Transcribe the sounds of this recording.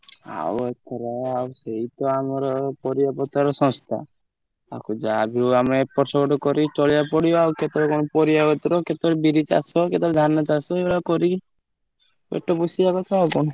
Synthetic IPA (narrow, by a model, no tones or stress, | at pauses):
a̰wet̪ʰɔɾeawseit̪ɔamɔɾɔpɔɾijapɔt̪aɾɔsɔ̃nst̪ʰa̰ | akud͡ʒaabʱiuamepɔɾsɔɡɔʈɔkɔɾit͡ʃɔɭijapɔɽiɔawket̪ɔɾɔkɔnɔpɔɾijaɡɔt̪ɾɔket̪ɔɾebiɾit͡ʃa̰sɔket̪ɔɾɔd̪ʱanːɔt͡ʃasɔebɭakɔɾi | ḛʈːɔbɔsiaɡɔt̪ɔawkɔnɔ